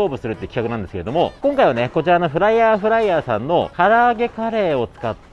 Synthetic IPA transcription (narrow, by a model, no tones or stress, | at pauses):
oːbɯ̟sɨɾɯt̪ːei̟kʲikakɯnãnd̪eskeɾ̞d̪o̞mo̞kõŋkaiβ̞aneko̞t͡ɕiɾano̞ɸɯ̟ɾaiaːɸɯ̟ɾaiaːsãnːo̞haɾaːɡe̞kaɾe̞ːo̞t͡sɨ̥kat̪ː